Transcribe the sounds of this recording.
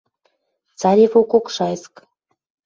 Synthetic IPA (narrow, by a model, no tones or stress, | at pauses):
t͡sɑɾʲefokokʃɑjsk